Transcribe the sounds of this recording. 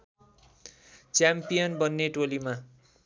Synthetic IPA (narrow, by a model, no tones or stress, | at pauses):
t͡sjampijʌnbʌnːeʈolima